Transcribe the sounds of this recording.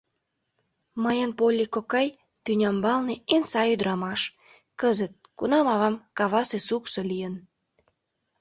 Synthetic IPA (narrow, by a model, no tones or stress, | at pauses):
məjənpolʲːikokɑj | t̪ynʲɑmbɑlneensɑyd̪ɾɑmɑʃ | kəzət̪̚kunɑmɑβɑmkɑβɑsesuksolʲijən